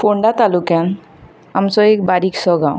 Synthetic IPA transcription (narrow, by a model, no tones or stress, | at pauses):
pʰoɳɖat̪alukan | amsɔek̚baɾiksɔɡaw̃